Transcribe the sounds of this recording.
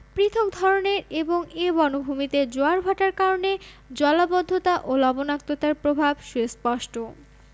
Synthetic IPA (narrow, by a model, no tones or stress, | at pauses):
pɾit̪ʰok̚d̪ʱɔɾoneɾeboŋebɔnobʱumit̪ed͡ʑoaɾbʱɔʈaɾkaɾone | d͡ʑɔlabɔd̪ʱːot̪aʔolɔbonak̚t̪ot̪aɾpɾobʱabʃuespɔʃʈo